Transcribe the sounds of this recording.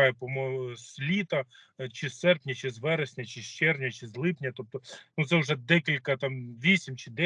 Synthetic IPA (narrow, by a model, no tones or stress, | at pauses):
jɛpɔmɔsʲlʲit̪ɐ | t͡ʃɪsːɛrpnʲɐt͡ʃɪzʋɛɾesʲnʲɐt͡ʃɪʃt͡ʃɛrnʲɐt͡ʃɪzlˠɪpnʲɐt̪ɔp̚t̪ɔnut̪sɛʊʒɛd̪ɛkʲilʲkɐt̪ɑmʋʲisʲimt͡ʃɪd̪ɛ